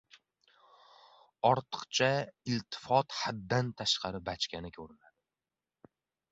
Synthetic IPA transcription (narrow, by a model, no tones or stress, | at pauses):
ɒɾt̪ʰɨ̥qt͡ʃʰaɪlt̪ʰɪ̥fɒt̪had̪ːant̪ʰaʃqɑɾɪbat͡ʃkʲanɪkʲʰɵɾɪnad̪ɪ